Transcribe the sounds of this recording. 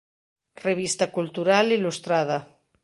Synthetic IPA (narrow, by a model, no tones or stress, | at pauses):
reβ̞ist̪akult̪uɾalilust̪ɾaða